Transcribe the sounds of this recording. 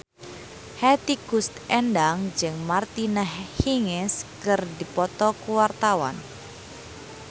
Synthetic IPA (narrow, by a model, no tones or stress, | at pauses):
hɛt̪iɡ̥ust̪ɛndaŋd͡ʒɨŋmart̪inɛhhiŋɛskərdipɔt̪ɔkuwart̪awa̰n